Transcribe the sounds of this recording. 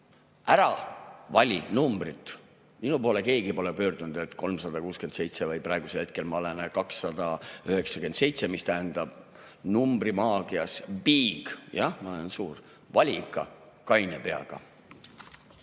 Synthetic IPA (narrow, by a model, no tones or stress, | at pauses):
æɾɑvɑlʲinumbrit̪ːˑ | minupo̞ːle̞ke̞ːɡipo̞lepø̞ːrd̪̥unud̪̥e̞t̪ːˑko̞lmsɑd̪̥ɑkuːske̞nd̪̥se̞jt̪se̞vɤjprɑˑeɡ̥uselhe̞t̪̚ke̞lmɑo̞le̞nkɑksːɑd̪̥ɑyɦe̞ksɑke̞nd̪̥se̞jt̪se̞mist̪æɦænd̪ɑb̥numbrimɑːɡ̥iɑspiːɡ̥jɑhmɑolensuːr | vɑlʲikːˑɑ̰ | kɑjnepe̞ɑ̰ɡ̥ɑ̰